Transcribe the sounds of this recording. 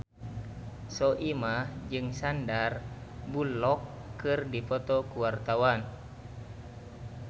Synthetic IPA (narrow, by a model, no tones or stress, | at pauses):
sɔʔimad͡ʒɨŋsandarbulɔkːɨrdipɔt̪ɔkuwart̪awan